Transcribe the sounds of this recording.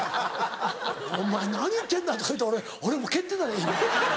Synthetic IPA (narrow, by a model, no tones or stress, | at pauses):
õmːanaɲ̟iit̪ːe̞nd̪at̪oit̪ːeoɾe | oɾemoke̞t̪ːenaɾaiːne